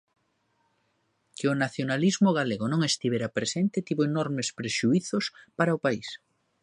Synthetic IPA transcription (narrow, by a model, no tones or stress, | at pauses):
kɪʊnaθjonalizmoɣaleɣonõŋest̪iβeɾapɾesent̪ɪt̪iβoenɔɾmespɾeʃuiθospaɾaʊpais